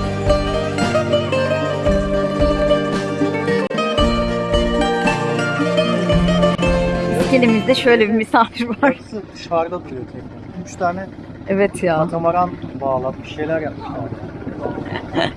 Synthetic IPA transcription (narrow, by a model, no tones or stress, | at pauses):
ɟelʲimizd̪ɛʃø̞jlʲɛbimisanɯɾvaɾ̥ | ʃaɾd̪at̪ʰuɾijot̪ʰɛcɾaɾyt͡ʃt̪ʰaːnɛ | ɛvɛt̪ʰjaːt̪ʰamaɾanbaːlˠat̪miʃejlʲæɾjap̪̚iʃjan